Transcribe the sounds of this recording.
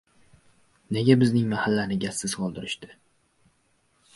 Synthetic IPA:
ne̞ɡʲabɪznɪŋmahalːanɪɡʲasːɪz̥qʰɒlˠd̪ɪɾɪʃt̪ɪ

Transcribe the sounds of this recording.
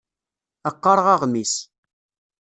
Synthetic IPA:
əqːɑɾˤʁɑʁmis

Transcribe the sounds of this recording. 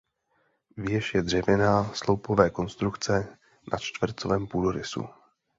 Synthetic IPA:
vɪjɛʃjɛdr̝ɛvɪnaslowpovɛːko̞nst̪ɾukt͡sɛ | nʔa̰t͡ʃt̪vr̩t͡sovɛːmpudoɾɪsṵ

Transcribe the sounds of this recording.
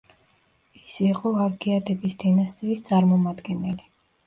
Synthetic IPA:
isiqʼɔaɾkʰʼiad̪ɛbisd̪ɛnast̪sʼɛist̪sʼaɾmɔmad̪ɡɛnɛli

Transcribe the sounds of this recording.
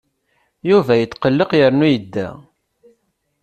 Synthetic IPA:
juvæjət͡s̪ːqəlːəqjəɾnujəd̪ːæ̰

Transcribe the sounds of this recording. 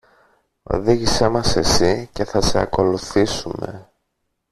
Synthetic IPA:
o̞̰ðiʝise̞mɐse̞sice̞θɐse̞ɐ̰ko̞luθisumḛ

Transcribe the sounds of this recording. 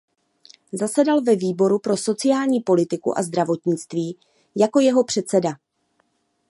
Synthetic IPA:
zasɛdalvɛviːbo̞ɾupɾo̞so̞t͡sɪjaːlɲiːpo̞lɪt̪ɪkṵʔa̰zd̪ɾavo̞t̪ɲɪt͡st̪viː | jako̞jɛɦo̞pr̥ɛt̪t͡sɛda

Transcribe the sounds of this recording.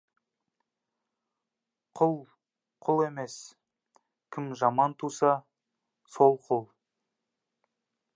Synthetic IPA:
qʰʊlˠ | qʰʊlˠe̞me̞s | kʲʰɪmʒɑmɑnt̪ʰusɑ | so̞lˠqʰʊlˠ

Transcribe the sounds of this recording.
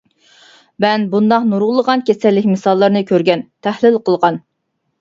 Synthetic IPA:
mɛnbund̪ɑqnuɾʁlˠːəʁɑnkʲʰesɛlːɪkʲmɨsɑlˠːəɾnɨkʲʰøɾɡʲɛnt̪ʰɛhlɪlqʰəlˠʁɑn

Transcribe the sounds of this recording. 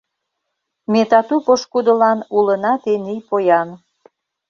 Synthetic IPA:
met̪ɑt̪upoʃkud̪ə̆lɑnulənɑt̪enijpojɑn

